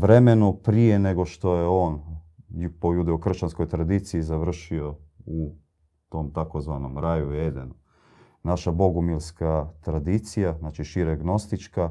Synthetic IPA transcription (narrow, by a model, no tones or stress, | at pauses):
ʋɾeme̞nupɾije̞ne̞ɡo̞ʃt̪o̞jeo̞ːnupojud̪eokr̩ʃt͡ɕansko̞jt̪ɾad̪it̪siizaʋr̩ʃio̞u | t̪o̞mt̪akozʋanomɾajued̪enu | naʃabo̞ɡumilskat̪ɾad̪it̪sijaznat͡ʃiʃiɾaɡno̞st̪it͡ʃka